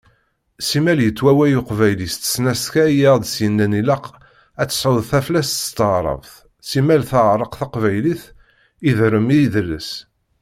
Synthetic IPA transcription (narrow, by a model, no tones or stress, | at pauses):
simæljət͡sːwæwæjuqvæjlist̪ə̥snæskæjæʁd̪sjənːænilæq | æt͡sːə̥səðθæflæst̪ə̥st̪əʁɾˤə̰vθ | simælθəʁɾˤəqθɑqvæjliθ | iðɾəmiðəlːəs